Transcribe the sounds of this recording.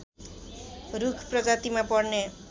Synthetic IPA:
rukʰprʌd͡zat̪imapʌrne

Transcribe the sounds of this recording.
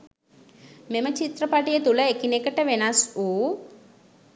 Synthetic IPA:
memɐt͡ʃit̪ɾɐpaːʈijɐt̪ulɐekinekɐʈɐʋenasu

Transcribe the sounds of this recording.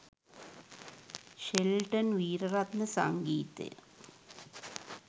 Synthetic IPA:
ɕelʈɐnʋiːɾɐrat̪nɐsa̰ŋɡiːt̪ːɨ̰

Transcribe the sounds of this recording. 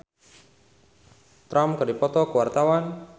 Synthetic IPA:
t̪ɾamkɨdipɔt̪ɔkəwart̪awan

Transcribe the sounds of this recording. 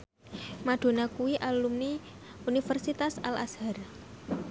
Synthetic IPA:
maɖ̪̥o̤nakuwiʔalumni | unifərsit̪asa̰la̰shar

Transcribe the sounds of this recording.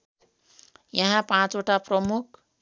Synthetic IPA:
jʌɦãpãt͡soʈaprʌmuk̚ʰ

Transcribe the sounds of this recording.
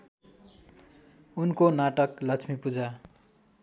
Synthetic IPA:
unkonaʈʌklʌt͡sʰmipud͡za

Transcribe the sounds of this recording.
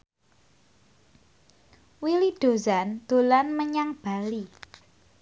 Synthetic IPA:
wilid̪̥o̤zand̪̥o̤lanməɲaŋb̥a̤li

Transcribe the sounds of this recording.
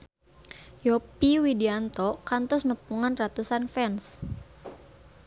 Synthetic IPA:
jɔpiwidiant̪ɔkant̪ɔsnəpuŋanrat̪usanfɛns

